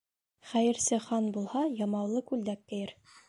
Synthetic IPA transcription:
χæjɘ̆ɾsɘχɑnbulˠhɑjɑmɑwlˠɤkʉld̪ækːɘ̆jɘɾ

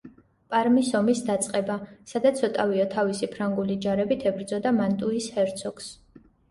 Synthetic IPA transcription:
pʼaɾmisɔmisd̪at̪sʼqʼɛbasad̪at̪sʰɔt̪ʼaviɔt̪ʰavisipʰɾaŋɡulid͡ʒaɾɛbit̪ʰɛbɾd̪zɔd̪amant̪ʼuishɛɾt̪sʰɔks

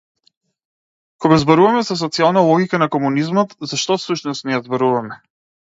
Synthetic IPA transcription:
kɔɡazbɔɾuvamɛzas̬ɔt̪sialˠnalˠɔɡikanakɔmunizmɔt̪zaʃt̪ɔsuʃnɔsnɛjazbɔɾuvamɛ

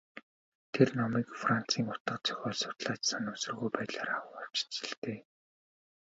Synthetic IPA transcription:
t̪ʰernɔmiːkfran̥t͡siːŋʊt̪ə̆qt͡sʰœ̥xʲɔːɮsʊ̥t̪ɮaːt͡ɕsanɵsɵ̆rɣujpæːt̪ɮaːɾawʊ̆aw̥t͡ɕt͡ɕɪ̥̆ɬt̪eː

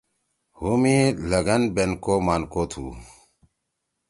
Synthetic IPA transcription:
humilɐɡɐnbenkomankot̪ʰṵ

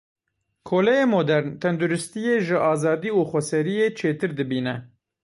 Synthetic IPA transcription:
kʰoːlɛjemoːd̪ɛɾnt̪ʰɛnd̪uɾɨst̪ijeːʒɨʔɑːzɑːd̪iːuːxʷɛsɛɾijeːt͡ʃʰeːt̪ɨɾd̪ɨbiːnɛ

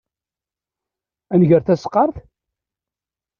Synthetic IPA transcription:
ænʝəɾθæsə̥qːɑɾˤθ

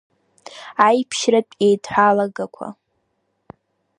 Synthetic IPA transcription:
ajpʰʃrapʼejtʰʼħʷalaɡakʷʰa̰

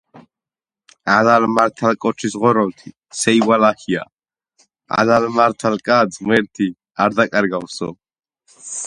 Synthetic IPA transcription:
alalmaɾt̪ʰalkʼɔt͡ʃʰisʁɔɾɔlt̪ʰi | sɛjwalahia̰ | a̰lalmaɾt̪ʰalkʼazmɛɾt̪ʰi | aɾd̪akʼaɾɡawsɔ̰

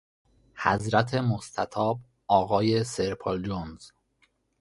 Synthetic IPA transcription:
hæ̰zɾæt̪ʰe̞most̪ʰæt̪ʰɒːb | ɒːɣɒːje̞seɾpʰold͡ʒonz̥

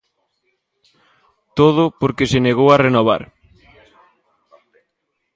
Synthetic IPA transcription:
t̪oð̞ʊpoɾkeseneɣowarenoβ̞a̰ɾ

